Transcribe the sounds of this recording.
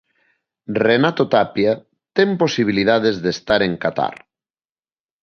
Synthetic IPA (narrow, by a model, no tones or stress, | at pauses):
renat̪ot̪apja | t̪emposiβ̞iliðað̞ezðest̪aɾeŋkat̪a̰ɾ